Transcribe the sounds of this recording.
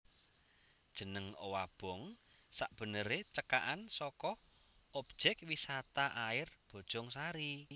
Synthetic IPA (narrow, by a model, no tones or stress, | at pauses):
d̥ʒ̥ə̤nəŋo̰wab̥ɔ̤ŋsaʔb̥ə̤nəɾet͡ʃəka̰ʔansɔkɔh | ɔp̚ʒ̥ɛk̚wisat̪aʔaɪrb̥ɔ̤d̥ʒ̥ɔŋsaɾi